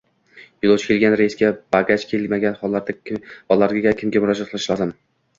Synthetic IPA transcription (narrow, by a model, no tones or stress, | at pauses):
jʊlˠowt͡ʃʰkʲe̞lˠɡʲanɾeisɡʲab̥aɡʲat͡ʃkʲʰelmaɡʲanχɒlˠːaɾd̪abɒlˠːaɾɡʲaɡʲakʲʰɪmɡʲamʊɾɒd͡ʒat̪̚qʰlˠɪʃlˠad̪ɪm